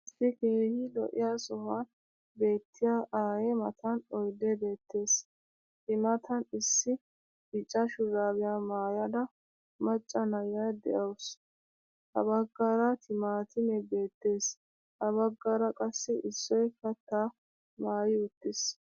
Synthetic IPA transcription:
ɪsːɪke̞ːhɪlɔ̰ʔɪjasɔhan | be̞ːt̪ʰːɪjaʔaːjɛmɐt̪ʰɐnɔjd̪ɛbe̞ːt̪ːe̞ːs | t̪ɪmɐt̪ʰɐnɪsːɪ | ɪt͡ʃʼːɐʃʊɾaːbɪjaːmaːjɐd̪ɐ | mɐt͡ʃʼːɐnɐjɐjd̪ɛ̰ʔɐws | h̪ɐ̰bɐɡːaɾɐt̪ʰɪmaːt̪ɪmɛbe̞ːt̪ːe̞ːs | hɐbɐɡːɐɾɐkʼɐsːɛʔɪsːɔjkɐt̪ːaː | maːjɪʊt̪ːɪs

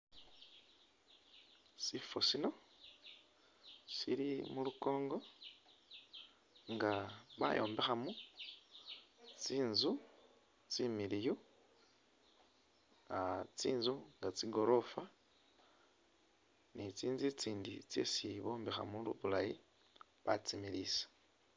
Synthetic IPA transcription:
sifosino̞ | silimuluko̞ːŋɡo̞ | ŋɡaβa̰jʔo̞̰ːmbe̞xamu | t͡siːnzu | t͡similiju | at͡siːnzuŋɡat͡siɡo̞ɾo̞fa | nit͡siːnzit͡siːndit͡sḛsiβo̞ːmbexa̰mulṵβulaji | βat͡similisḁ

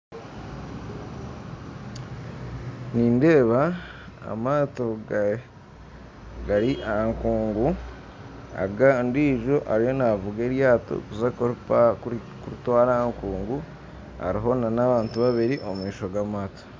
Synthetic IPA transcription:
niːnde̞ːβaa̰maːto̞ | ɡaɾiʔaaŋkuːŋɡu | a̰ɡandiːʒo̞ʔa̰ɾijo̞navuɡeɾjaːto̰kusakoɾpa | kuɾutwaːɾaaŋkuːŋɡu | ha̰ɾiɦo̞nanaβaːntuβaβiɾiʔo̞mumiːʃo̞ɡamaːto̥

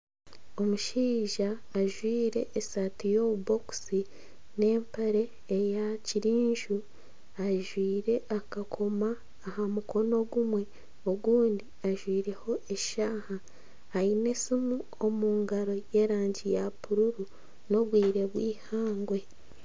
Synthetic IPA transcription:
o̞muʃiːʒaː | ʒwiːɾe̞ʔːsatijo̞ːβubo̞ku̥si | ne̞ːmpaɾe̞ː | jaciɾiːɲʒu | aʒwiːɾe̞ʔakakʰo̞maː | hamukʰo̞no̞ɡumwe̞ | o̞ɡuːndiaʒwiːɾe̞ho̞ʔe̞ʃaːhaː | ine̞simuo̞muːŋɡaɾo̞je̞ːɾaːɲɟijapuɾuɾu | no̞βwiːɾe̞βwiːhaːŋɡwe̞

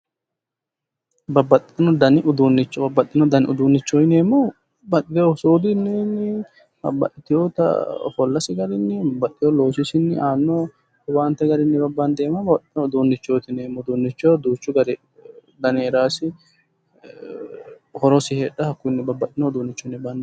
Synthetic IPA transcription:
bɐbːɐt̪ʼːɪɪnɔd̪ɐnɪʔʊd̪uːnːɪt͡ʃːɔbɐbːɐt̪ʼːɪnɔd̪ɐnʊd̪uːnːɪt͡ʃːɔɪneːmːɔ | bɐt̪ʼːɪt̪ɪjosoːd̪ɪnːɛnːɛ | ɐ̰bɐ̰ʔɪt̪ɪjot̪ɐ̰fɔlːɐsɪɡɐɾɪnːɛɐbɐt̪ʼːɪjɔlo̞ːsɪsɪnːɛʔaːnːɔ | ʊwaːnt̪ːɛɡɐɾɪnːɪbɐbːand̪eːmːɐbɐbɐt̪ʼːɪnɔʊd̪uːnːɪt͡ʃːoːt̪ɪneːmːɔd̪uːnːɪt͡ʃːɔd̪uːt͡ʃːʊɡɐɾɪ | d̪ɐneːɾaːsɪ | hɔɾɔsɪheːᶑɐhɐkːʊnːɪbɐbːɐt̪ʼːɪnɔʊd̪uːnːɪt͡ʃːɔnɪbɐnd̪

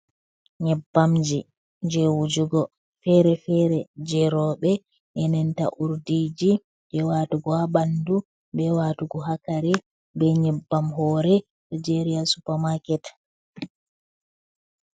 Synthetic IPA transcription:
ɲɛbːamd͡ʒi | d͡ʒɛwud͡ʒuɡɔ | fɛɾɛfɛɾɛd͡ʒɛɾɔɓɛ | ʔɛnɛnta̰ʔuɾdid͡ʒi | bɛwatuɡɔhabandu | bɛwatuɡɔɦakaɾɛ | bɛɲɛbːamɦɔɾɛ | ɗid͡ʒeɾiasupamakɛt

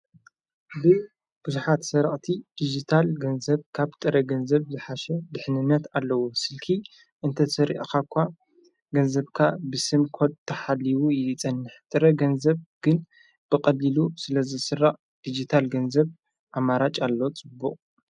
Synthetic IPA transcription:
bɨ | b̥ɨzuħat̪sɐɾɐχʼt̪ʰid̪̥id͡ʒit̪ʰalɡɐnzɐβkʰaβt̪ʼɨɾɐɡɐnzɐβzɨħaʃɛd̪ɨħnɨnːɐt̪alːɐwosɨlkʰi | ʔɨnt̪ʰɐsɐɾḭʔakakʷʰːa | ɡɐnzɐβkʰabɨsɨmkʰod̪t̪ʰːɐħalːiwujɪt͡sʼɐnːɨħt̪ʼɨɾɐɡɐnzɐβɡ̥ɨn | b̥ɨqʼɐlilusɨlɐzɨsɨrːaʔʼ | d̪̥id͡ʒit̪ʰalɡɐnzɐβ | ʔamaɾat͡ʃʼalːo̞t͡sʼɨbːuqʼ

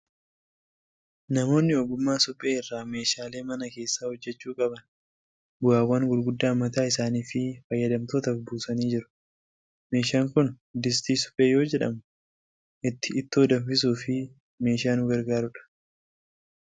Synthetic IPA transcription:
nɐmo̞ːnːɪɔɡʊmːaːsʊpʼːe̞ːɪrːaːme̞ːʃaːle̞ːmɐnɐke̞ːsːaːhɔd͡ʒːɛt͡ʃːuːkʼɐbɐn | bʊaːwːaːŋɡʊlɡʊd̪ːaːmːɐt̪aːɪsaːniːfɪfɐjːɐd̪ɐmt̪oːt̪ɐfbuːsɐniːd͡ʒɪɾʊ̥ | me̞ːʃaːŋkʊn | d̪ɪs̬t̪iːsʊ̥pʼːeːjo̞ːd͡ʒɛᶑɐ̰mʊ | ʔɪt̪ːɪːt̪ːoːd̪ɐɱfɪs̬uːfɪ | me̞ːʃaːnʊɡɐɾɡaːɾʊᶑɐ̥

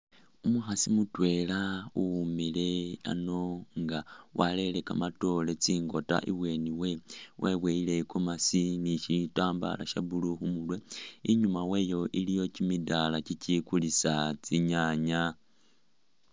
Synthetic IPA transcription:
umuxasimutwe̞lauumile̞a̰no̞ŋɡawʔale̞le̞kamato̞le̞t͡siːŋɡo̞ta̰ʔḭβwe̞niwe̞wʔeβwe̞ile̞komasiniʃitaːmba̰la̰ʃa̰βuluxumulwe̞iɲumawe̞ːjo̞ʔilijo̞cimidalacicikulisat͡siɲaɲa

